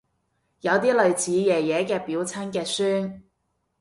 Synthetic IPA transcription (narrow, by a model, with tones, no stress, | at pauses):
jɐ˨˧wt̪iː˥lɵ˨ɥt͡sʰiː˨˧jɛː˨˩jɛː˨˧˥kɛː˧piː˨˥wt͡sʰɐ˥nkɛː˧syː˥n